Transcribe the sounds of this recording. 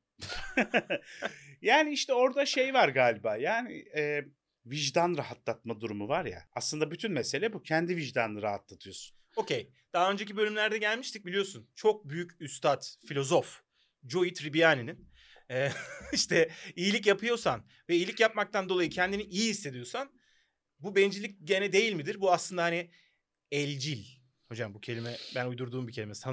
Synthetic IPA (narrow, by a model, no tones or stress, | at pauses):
jaːniiʃt̪ʰɛo̞ɾd̪aʃe̞jvaɾɡaːlʲibaːjaːnḭɛː | viʒd̪anɾaɦat̪lˠat̪̚mad̪uɾumuvaɾja̰a̰slˠɯnd̪abyt̪ʰynmɛse̞lʲɛbucʰɛnd̪iviʒd̪anɾaɦat̪lˠat̪ʰɯjo̞su̥no̞cʰej | d̪̥aɦaø̞nd͡ʒe̞c̬ibø̞lʲymlʲæɾd̪ɛɟælʲmiʃt̪ic̚bilʲijo̞sunt͡ʃʰo̞k̚byjycyst̪ʰat̪filʲo̞zo̞f | d͡ʒo̞it̪ɾibijaːninin | ɛːiʃt̪ʰɛijilʲic̬japʰɯjo̞san | vɛijilʲicjap̚mak̚t̪ʰand̪oajɯcʰɛnd̪iniʔijihisːe̞d̪ijo̞san | bubɛnd͡ʒilʲic̚ɟe̞nɛd̪e̞jilʲmid̪iɾbuaslˠɯnd̪ahani | ɛlʲd͡ʒilʲ | ho̞d͡ʒambucʰelʲimɛbænujd̪uɾd̪uːmbicʰelʲimesia